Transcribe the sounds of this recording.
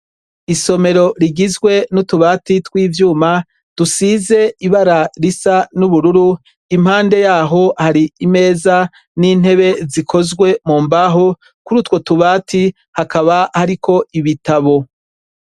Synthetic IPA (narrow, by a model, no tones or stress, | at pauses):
iso̞me̞ɾo̞ɾiɡizɡwe̞nutuβaːtitwiːvjuːma | d̥usiːze̞iβaɾaɾisanuβuɾuɾu | imhaːnde̞jaːɦo̞haɾiime̞ːza | nin̥he̞βe̞zikʰo̞zɡwe̞muːmbaɦo | kuɾutwo̞tuβaːtʰi | hakaβahaɾikʰo̞iβitaβo̞